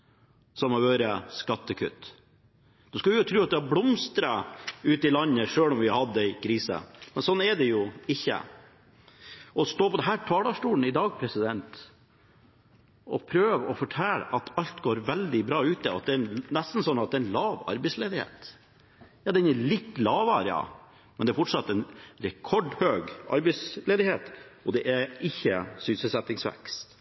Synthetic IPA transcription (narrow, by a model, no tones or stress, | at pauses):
sɔmɑʋøːɾəskɑt̪ːəkʰʉ̰t̪ː | d̪̥ʉskɑʋʊʊt̪ʰɾʉːɑt̪̚d̪ɛhɑblɔmst̪ɾɑʉːt̪ɪlɑnːəʂøːlɔmʋɪhɑd̪ːəɪkʰɾiːsə̰mɛnsɔnːɛɖɛjʊɪçːə̰ | ʔɔst̪oːpɔd̪ɛɦæːʈʰɑːɖɑʂʈuːln̩ɪd̪ɑːɡ̚pʰɾɛsɪd̪ɛnt̪ | ɔ̰pʰɾøːʋɔfɔʈʰɛl̰ʔɑt̪ɑlt̪ɡoːɾʋɛld̪ɪbɾɑːʉːt̪ɛɑ̰t̪̚d̪ɛænnɛst̪n̩sɔnːɑt̪̚d̪ɛːɾɛnlɑːʋɑ̰ɾbɛɪsleːd̪ɪhḛːt̪ | jɑːd̪ɛnɛlɪt̪ːlɑːʋɑɾɪɑ̰ | mɛnd̪ɛæɾfɔʈʂɑt̪ːɛnɾɛkʰɔɖhøːɡʔɑ̰ɾbɛɪsleːd̪ɪheːt̪ɔd̪ɛʔæɪçːəsynsəlsɛt̪ːɪŋsʋɛ̰kst̪